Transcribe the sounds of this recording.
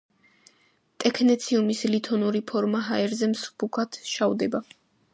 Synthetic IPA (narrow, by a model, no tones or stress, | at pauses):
t̪ʼɛkʰnɛt̪sʰiumislit̪ʰɔnuɾipʰɔɾmaɦaɛɾzɛmsbukʰat̪ʰʃavd̪ɛba